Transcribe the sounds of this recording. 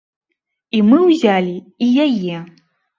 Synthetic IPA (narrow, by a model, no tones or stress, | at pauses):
imɨwzʲalʲiijajɛ